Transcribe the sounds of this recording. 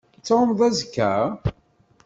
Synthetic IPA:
t̪ːomðˤæzkːæ

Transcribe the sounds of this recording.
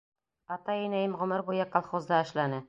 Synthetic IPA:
ɑt̪ɑinæjɘmʁɵ̆mɘɾbujakalˠχozd̪ɑːʃlænɘ

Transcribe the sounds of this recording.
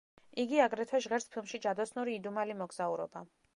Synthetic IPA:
iɡiaɡɾɛt̪ʰɛʒʁɛɾspʰilˠmʃid͡ʒad̪ɔsnuɾiːd̪umalimɔɡz̥auɾɔ̰ba

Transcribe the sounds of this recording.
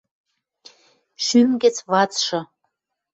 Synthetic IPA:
ʃymɡĕt͡sβɑt͡sʃɤ̆

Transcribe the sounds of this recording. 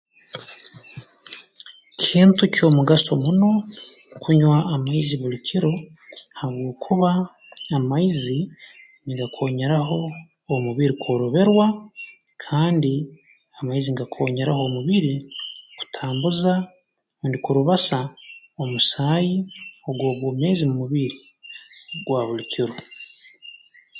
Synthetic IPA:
cʰiːntucʰo̞muɡaso̞muno̞ | kuɲwaːmaiziβulicʰiɾo̞ | haβɡoːkʰuβaː | maizi | niŋɡakʰo̞ːɲe̞ɾaɦo̞ː | muβiɾikʰo̞ːɾoβe̞ɾwa | kʰaːndi | amaiziŋɡakʰo̞ːɲeɾaho̞muβiɾiku̥tʰaːmbuza | ndikuɾuβasa | o̞musaːjio̞ɡwo̞ːɡwoːme̞ːzimumuβiɾi | ɡwaːβulicʰiɾo̞

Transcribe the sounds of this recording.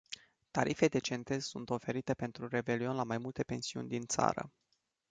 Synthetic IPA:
t̪aɾʔife̞d̪e̞t͡ʃe̞nt̪e̞zsunt̪o̞fe̞ɾit̪e̞pe̞nt̪ɾure̞be̞lio̞nlamajmult̪e̞pe̞nsiṵnʲd̪int̪sa̰ɾə̰

